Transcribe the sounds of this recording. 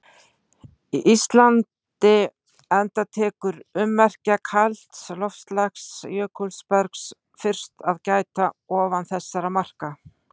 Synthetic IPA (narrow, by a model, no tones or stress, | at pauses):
iʔist̪lant̪ɪ | ɛnt̪at̪ʰɛːkʏɾʏmːɛr̥cakʰal̥t̪slɔfst̪laxsjœːkʰulspɛɾks | fɪr̥st̪aðcaːjt̪aɔːvanθɛsːaɾamar̥ka